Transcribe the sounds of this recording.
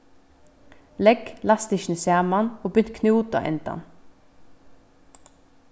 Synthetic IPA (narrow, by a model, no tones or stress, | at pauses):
lɛɡlɑst̪ɪʃnəsjæːmɑnoːbʏnt̪kʰnuːt̪ɑ̰ʔɛ̰nt̪ɑ̰n